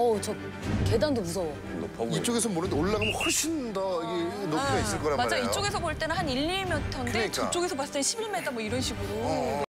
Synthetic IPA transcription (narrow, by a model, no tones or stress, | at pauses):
ʌt͡ɕʌ | ke̞daŋdomusʰʌ | pit͡ɕ͈oɡesʰʌmoɾɯndeoɭːaɡamohoɭɕʰindʌiɡenopʰɡais͈ɯɭk͈ʌɾamad͡ʑait͡ɕ͈oɡesʰʌboɭt͈e̞nɯnhaniʎːimjʌtʰʌndek͈ut͡ɕ͈oɡe̞sʰʌpas͈t͈eɕʰibiɭmedamwoʌiɾʌnɕʰiɡɯɾo